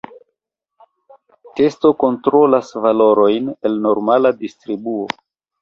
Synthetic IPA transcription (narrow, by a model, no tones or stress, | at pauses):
te̞sto̞ko̞ntɾo̞lasvalo̞ɾo̞jne̞lno̞ɾmaladistɾibuo